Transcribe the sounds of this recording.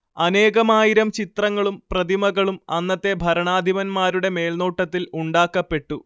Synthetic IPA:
ɐne̞ːɣɐmaːjiɾɐmt͡ɕit̪rɐŋːɐɭumprɐðimɐɣɐɭumɐnːɐt̪ːe̞bʱɐɾɐɳaːd̪ʱiʋɐnmaːɾuɽe̞me̞ːlnoːʈːɐt̪ːiluɳɖaːkːɐpːe̞ʈːu

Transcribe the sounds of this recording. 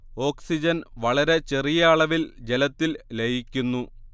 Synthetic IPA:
o̞ːksid͡ʑɐnʋɐɭɐɾe̞t͡ɕerijaːɭɐʋild͡ʑe̞lɐt̪ːillejikʲːunːu

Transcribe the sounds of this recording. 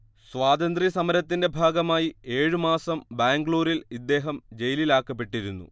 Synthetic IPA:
sʋaːd̪ɐnd̪risɐmɐɾɐt̪ːinde̞bʱaːɡɐmaːjie̞ːɻɨmaːsɐmbaːŋɡɭoːɾilid̪ːe̞ːɦɐmd͡ʑe̞jlilaːkːɐpːe̞ʈːiɾunːṵ

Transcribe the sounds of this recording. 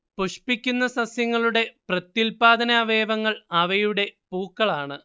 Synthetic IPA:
puʂpikʲːunːɐsɐsjɐŋːɐɭuɽe̞prɐt̪ːilpaːd̪ɐnaːʋe̞ːʋɐŋːɐɭɐʋɐjuɽe̞puːkːɐɭaːɳɨ

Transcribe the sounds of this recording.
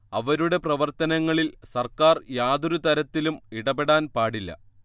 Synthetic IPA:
ɐʋɐɾuɽe̞prɐʋɐrt̪ɐnɐŋːɐɭilsɐrkaːrjaːd̪uɾut̪ɐɾɐt̪ːilumiɽɐbe̞ɽaːnpaːɽilːɐ̰

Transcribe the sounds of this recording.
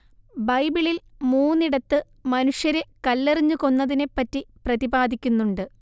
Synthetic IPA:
bɐjbiɭil | muːnːiɽɐt̪ːɨ | mɐnuʂjɐɾekɐlːeriɲːuko̞nːɐðine̞pːɐtːiprɐðibaːd̪ʱikʲːunːuɳɖɨ

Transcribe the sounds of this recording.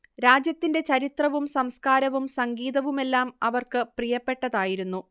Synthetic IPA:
ɾaːd͡ʑjɐt̪ːinde̞t͡ɕɐɾit̪rɐʋumsɐmskaːɾɐʋumsɐŋɡiːðɐʋume̞lːaːmɐʋɐrkɨprijɐpːe̞ʈːɐðaːjiɾunːu

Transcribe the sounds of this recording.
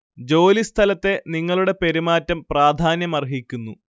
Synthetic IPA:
d͡ʑo̞ːlist̪ʰɐlɐt̪ːe̞niŋːɐɭuɽe̞pe̞ɾimaːtːɐmpraːd̪ʱaːnjɐmɐrɦikʲːunːṵ

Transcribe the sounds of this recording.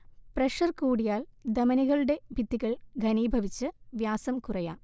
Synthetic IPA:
preʂɐrkuːɽijaːld̪ɐmɐniɣɐɭuɽe̞bʱid̪ːiɣɐɭɡʱɐniːbʱɐʋit͡ɕːɨʋjaːsɐmkurɐjaː

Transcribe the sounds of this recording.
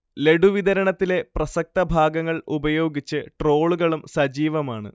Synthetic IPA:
le̞ɖuʋid̪ɐɾɐɳɐt̪ːile̞prɐsɐk̚t̪ɐbʱaːɡɐŋːɐɭubɐjo̞ːɡit͡ɕːɨʈro̞ːɭuɣɐɭumsɐd͡ʑiːʋɐmaːɳɨ̰

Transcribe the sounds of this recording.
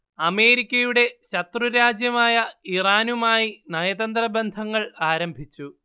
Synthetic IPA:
ɐme̞ːɾikʲːɐjuɽe̞ɕɐt̪ruɾaːd͡ʑjɐmaːjɐiraːnumaːjinɐjɐd̪ɐnd̪rɐbend̪ʱɐŋːɐɭaːɾɐmbʱit͡ɕːu

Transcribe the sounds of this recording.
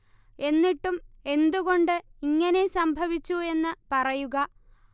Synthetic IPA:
e̞nːiʈːume̞nd̪uɣo̞ɳɖɨiŋːɐne̞sɐmbʱɐʋit͡ɕːue̞nːɨpɐrɐjuɣɐ

